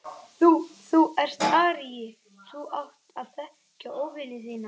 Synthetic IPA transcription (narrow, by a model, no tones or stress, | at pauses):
θuθuɛr̥st̪aːɾɪjɪ | θuʔawht̪aðθɛh | cːaʔowvɪlɪθiːna